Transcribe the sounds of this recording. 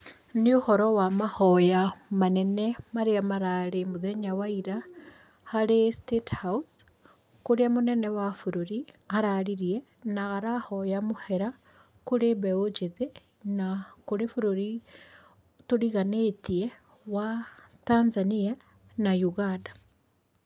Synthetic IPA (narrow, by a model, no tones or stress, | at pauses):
niohɔɾɔwamahɔjamanɛnɛmaɾeamaɾaɾemoðeɲawaiɾa | haɾestethaus | koɾeamonɛnɛwafuɾoɾiaɾaɾiɾie | naɣaɾahɔjamohɛɾa | koɾeβɛod͡ʒeðe | nakoɾefuɾoɾi | toɾiɣanetie | watanzania | najuɣanda